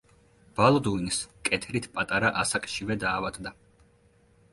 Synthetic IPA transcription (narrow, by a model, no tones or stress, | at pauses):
b̥alˠɔd̪uinskʼɛt̪ʰɾit̪ʰpʼat̪ʼaɾaʔasakʼʃivɛd̪aːvad̪d̪a